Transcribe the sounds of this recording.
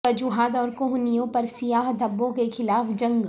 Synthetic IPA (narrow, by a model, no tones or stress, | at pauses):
ɐd͡ʒuɦaːd̪ɔːɾkʊɦnijõpɐɾsɪjaːɦd̪ʱɐbːõkexʰɪlaːfd͡ʒɐ̃ŋɡ